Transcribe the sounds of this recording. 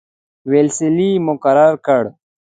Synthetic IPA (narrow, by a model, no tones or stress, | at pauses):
welsɪlimʊkaɾaɾkəɽ